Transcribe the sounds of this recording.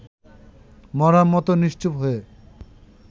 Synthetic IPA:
mɔɾamɔt̪oniʃt͡ɕupɦoe

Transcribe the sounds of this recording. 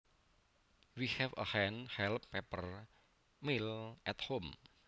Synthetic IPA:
wihɛfə̰hɛnhɛlpːɛpər | milʔɛt̪hom

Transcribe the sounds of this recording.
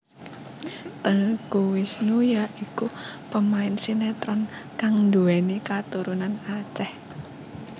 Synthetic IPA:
t̪əɦkuwɪsnujaʔikupəmaɪnsinet̪ɾɔnkaŋnd̪uɛnikat̪uɾunanat͡ʃɛh

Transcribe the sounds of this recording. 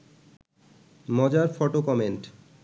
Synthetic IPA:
mɔd͡ʑaɾfɔʈokɔmenʈ

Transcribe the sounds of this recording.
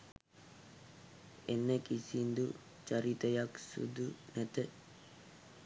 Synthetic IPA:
enːekisind̪u | t͡ʃaɾit̪əjaksṵd̪unæt̪ə

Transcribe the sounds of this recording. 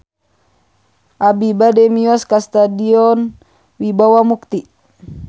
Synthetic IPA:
ʔabibadɛmiɔskast̪adiɔn | wibawamuk̚t̪i

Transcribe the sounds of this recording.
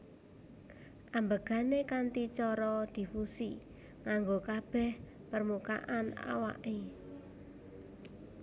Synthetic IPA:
ʔambəɡ̥a̤nekant̪it͡ʃɔɾɔd̪̥i̤fusi | ŋaŋɡokab̥ɛ̤h | pərmuka̰ʔana̰wa̰ʔe

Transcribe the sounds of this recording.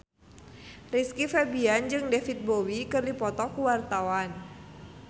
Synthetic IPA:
riskifɛbiand͡ʒɨŋdɛfit̪̚bowikɨrdipɔt̪ɔkuwart̪awan

